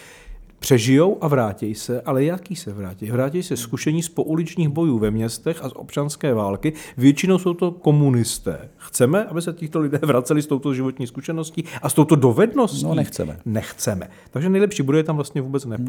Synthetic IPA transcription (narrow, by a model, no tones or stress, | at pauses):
pr̝̥ɛʒɪjowʔavɾaːcɛjsɛʔalɛjakiːsɛvɾaːcɛjvɾaːcɛjsɛskuʃɛɲiːspo̞ʔulɪt͡ʃɲiːxbo̞juːvɛmɲɛst̪ɛxasʔo̞̰pt͡ʃanskɛːvaːlkɪvjɛt͡ʃɪno̞wsowt̪o̞ko̞munɪst̪ɛ̰ːxt͡sɛmɛʔabɪsɛcɪxt̪o̞lɪdɛːvɾat͡sɛlɪst̪owt̪ozʒɪvo̞t̪ɲiːskuʃɛno̞sciːʔast̪o̞wt̪o̞do̞vɛdno̞siɛt͡sɛ̰mɛ̰nɛxt͡sɛmɛ̰ | t̪aɡʒɛnɛjlɛpʃiːbudojɛt̪amvlast̪ɲɛvuːbɛt͡snɛ